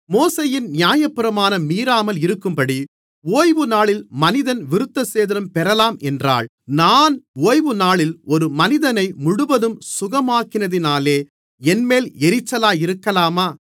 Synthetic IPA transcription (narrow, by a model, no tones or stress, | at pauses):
moːseːjɪnnɪjaːjɐpːɪɾɐmaːnɐmiːɾaːmɐlɪɾɯkːɯmpɐɽi | oːjʋɯnaːɭɪlmɐnɪðɐnʋɪɾɯt̪ːɐseːðɐɾɐmpɛɾɐlaːmɛndra̰ːɭ | naːnoːjʋɯnaːɭɪlɔɾɯmɐnɪðɐnɐɪmʊɽɯʋɐðɯmsʊɣɐmaːkːɪnɐðɪnaːleː | ɛnmeːlɛɾɪt͡ʃːɐlaːjɪɾɯkːɐlaːmaː